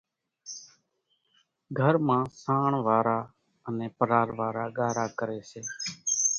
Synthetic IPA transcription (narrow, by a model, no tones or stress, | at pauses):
ɡʱəɾmãːsaːɳʋaːɾaː | ənẽːpəɾaːɾʋaːɾaːɡaːɾaːkəɾeːseː